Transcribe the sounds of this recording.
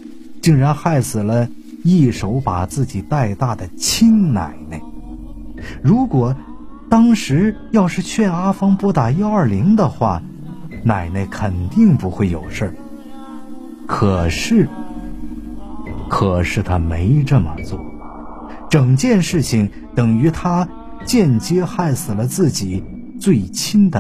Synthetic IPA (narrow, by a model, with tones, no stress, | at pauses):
t͡ɕi˥˩ŋɻa˧˥nxa˥˩ɪsɹ̩˨˩lə˦ | i˥˩ʂo˧˥ʊpa˨˩t͡sɹ̩˥˩t͡ɕi˨˩t̪a˥˧ɪt̪a˥˩d̪ə˩t͡ɕʰi˥nna̰˨˩ɪne˥˩ɪ | ɻu˧˥kwɔ˨˩ | t̪ɑ˥ŋʂɻ̩˧˥jɑ˥˧ʊʂɻ̩˥˧t͡ɕʰɥɛ˥˩na˥fɑ˥ŋpwɔ˥t̪a˨˩i˥ɐ˞˥˩li˧˥ŋd̪ə˧xwa˥˩ | na˨˩ɪne˥˩ɪkʰə˨˩nt̪i˥˧ŋpu˧˥xwe˥˩ɪjo˨˩ʊʂə˥˩ | kʰɤ˨˩ʂɻ̩˥˩ | kʰɤ˨˩ʂɻ̩˥˩t̪ʰa˥me˧˥ɪʈ͡ʂə˥˩mə̰˨˩t͡swɔ˥˩ | ʈ͡ʂɤ˨˩ŋt͡ɕjɛ˥˧nʂɻ̩˥˩t͡ɕʰi˩ŋ | t̪ɤ˨˩ŋy˧˥t̪ʰa˥ | t͡ɕjɛ˥˩nt͡ɕjɛ˥xa˥˩ɪsɹ̩˨˩lə˦t͡sɹ̩˥˩t͡ɕi˨˩ | t͡swe˥˩ɪt͡ɕʰi˥nd̪ə˨